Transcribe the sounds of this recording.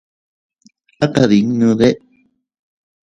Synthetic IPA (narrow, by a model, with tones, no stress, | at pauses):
a˦ka˨ði˨ŋnũ˧ðe˦ʔ